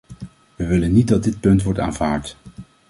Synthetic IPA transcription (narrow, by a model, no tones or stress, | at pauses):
ʋəʋɪlənːit̚dɑd̚dɪt̚pɵntʋɔɹta̰ːnvaːɹt